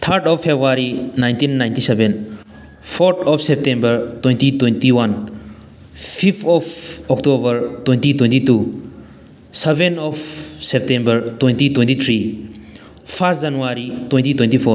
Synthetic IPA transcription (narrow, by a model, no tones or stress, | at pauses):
t̪ʰəɾtɔfpːebɾaɾinaj̃ntinːajntiseben | pʰɔɾtʰɔpsep̚tẽmbəɾtwẽntitwentiwan | pʰipʰɔpʰɔktobəɾtwẽntitwẽntitu | sebenɔpʰsep̚tẽmbəɾtwẽntitwẽntit̪ʰɾi | pʰas̚d͡ʒanuaɾitwẽntitwẽntipʰoɾ